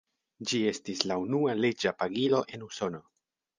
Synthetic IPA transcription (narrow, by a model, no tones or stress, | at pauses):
d͡ʒie̞stislaunuale̞d͡ʒapaɡilo̞ʔe̞nuso̞no̞